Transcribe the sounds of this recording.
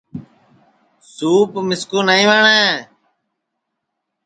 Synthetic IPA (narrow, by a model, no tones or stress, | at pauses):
suːpmɪskuːnaːĩːʋaːɳeː